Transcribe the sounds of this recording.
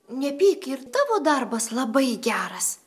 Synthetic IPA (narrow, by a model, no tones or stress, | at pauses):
nʲɛpʲiːkɪɾt̪ɑːʋoːd̪ɐɾbɐslˠɐbɐɪɡʲæːɾɐs